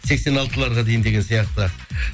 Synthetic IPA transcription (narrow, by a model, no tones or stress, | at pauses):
se̞kse̞nɑlˠt̪əlˠɑɾʁɑd̪ejɪnd̪e̞ɡʲe̞nsijɑqt̪ə